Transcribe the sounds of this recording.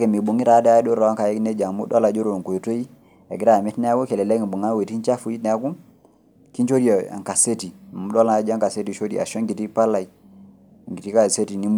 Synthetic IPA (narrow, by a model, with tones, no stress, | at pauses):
ke˨mi˨bu˨ŋi˦ɾa˨˦dɛ˦a˦do˦ɾa˨wa˦ka˨je˦kne˦d͡ʒa˨ŋmṵ˦ɗɔ˦la˨d͡ʒo˦ɾo˨ko˨jto˦i˦ | ḛ˨ɡi˦ɾa˦˨mi˦tnɛ˦a˦ɡo˦ke˨le˨le˦ki˨bu˨ŋa˦we˨ti˦nt͡ʃa˦fu˨˦i˦tnɛ˨a˦ku˦ | ki˦t͡ʃo˦di˦o˨a̰˨ŋka˨se˦ti˨mu˦dɔ˦la˦d͡ʒa˦ŋka˨se˦ti˨ʃo˦di˨a̰˨ʃo˦ŋɡi˨ti˦pa˦la˨i˦˨ | ŋɡi˨ti˦ka˦˨se˦ti˨ni˦m